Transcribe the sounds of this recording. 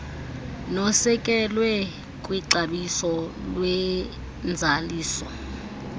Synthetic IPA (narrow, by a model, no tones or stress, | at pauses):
nɔsɛkʼɛlwɛ | kʼwiǁaɓisɔlwɛ | nd͡zʱaliːsɔ